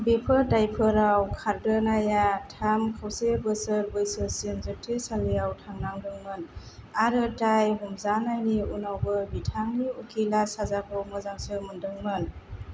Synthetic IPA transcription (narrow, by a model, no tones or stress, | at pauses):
bepʰɯdajpʰɯɾawkʰaɾdɯnajatʰamkʰawsebɯsɯɾbɯjsɯsinzək̚tʰesalijawtʰaŋnaŋdɯŋmɯnaɾɯtajɦumzanajniunawbɯbitʰaŋniukʰilasazakʰɔwmɯzaŋsɯmɯndɯŋmɯn